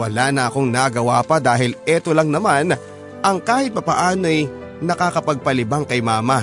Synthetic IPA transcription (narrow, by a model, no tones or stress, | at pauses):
wɐlanɐʔɐko̞ŋnɐɡɐwapɐd̪aːɦɪlʔɛt̪o̞lɐŋnɐman | ʔɐŋkaːhɪt̪̚pɐpɐʔaːnoɐj | nɐkakɐpɐɡ̚pɐlɪbaŋkɐjmaːmɐ